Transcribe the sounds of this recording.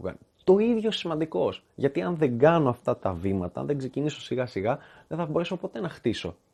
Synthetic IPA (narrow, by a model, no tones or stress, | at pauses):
ɣɐ̰nt̪o̞iðʝosimɐnd̪iko̞s | ʝɐt̪iɐnðe̞ŋɡɐnoɐft̪ɐt̪ɐvimɐt̪ɐɐ̰nðeɡse̞ciniso̞siɣɐsiɣɐðeθɐbo̞ɾe̞so̞po̞t̪e̞nɐxt̪iso̞̰